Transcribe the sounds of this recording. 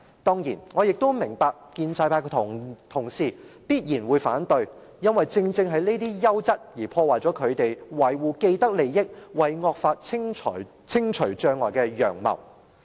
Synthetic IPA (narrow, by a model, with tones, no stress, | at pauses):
t̪ɔː˥ŋjiː˨˩nŋɔː˨˧jɪ˨k̚t̪o˥wmɪ˨˩ŋpaː˧k̚kiː˧nt͡saː˧jpʰaː˧jkt̪ʰʊ˨˩ŋsiː˨piː˥t̚jiː˨˩nwuː˨˧jfa̰ː˨˥nt̪ɵ˧ɥjɐ˥nwɐ˨jt͡sɪ˧ŋt͡sɪ˧ŋɦɐ˨˧jne˥t̪iː˥jɐ˥wt͡sɐ˥t̚jiː˨˩pʰɔː˧waː˨jt͡sɔː˨˥kʰɵ˨˧ɥt̪e˨jwɐ˨˩jwuː˨ke˧jt̪ɐ˥k̚le˨jːɪ˥k̚wɐ˨jŋɔː˧k̚faː˧t̚t͡sʰɪ˥ŋʰɔ̰˨˩j | t͡sʰɪ˥ŋt͡ʃʰɵ˨˩ɥt͡ʃœː˨˧ŋːɔː˨jkɛː˧jœ̰ː˨˩ŋmɐ̰˨˩w